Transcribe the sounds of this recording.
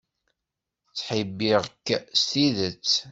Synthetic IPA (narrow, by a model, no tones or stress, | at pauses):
t͡sːħibːiʁkːst̪iðət͡sː